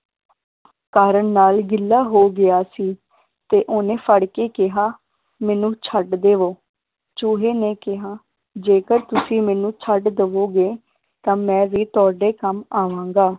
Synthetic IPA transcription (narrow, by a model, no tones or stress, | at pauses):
kaːɾəɳnaːlɡɪlːaːɦoːɡɪjaːsiː | t̪eːʔoːnẽːfʰəɽkeːkɪɦaː | mɛːnũːt͡ʃʰəɖd̪eːʋoː | t͡ʃʊːɦeːneːkɪɦaː | d͡ʒeːkəɾt̪ʊsĩːmɛːnũːt͡ʃʰəɖd̪əʋoːɡeː | t̪ãːmɛ̃ːʋiːt̪ʊaːɖeːkəmaːʋãːŋɡaː